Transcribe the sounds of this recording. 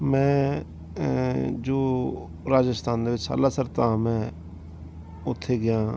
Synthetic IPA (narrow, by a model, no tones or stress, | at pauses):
mɛ̃ː | d͡ʒoː | ɾaːd͡ʒəst̪ʰaːnd̪eːʋɪt͡ʃsa̰ːlaːsəɾt̪ãːmɛ̃ː | ʊt̪ʰːeːɡɪjãː